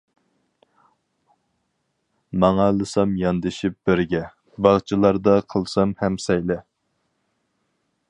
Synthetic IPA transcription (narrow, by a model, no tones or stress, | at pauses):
mɑŋɑlˠɨsɑmjɑnd̪ɨʃip̚bɪɾɡʲɛ | bɑʁt͡ʃʰilˠɑɾd̪ɑqʰəlˠsɑmhɛmsɛjlɛ